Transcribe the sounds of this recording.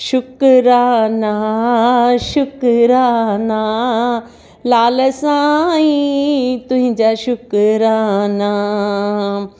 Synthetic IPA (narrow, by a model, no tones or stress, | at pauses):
ʃʊkɾana | ʃʊkɾana | laːləsãĩt̪ʊ̃ɦĩɲd͡ʑaɕʊkɾana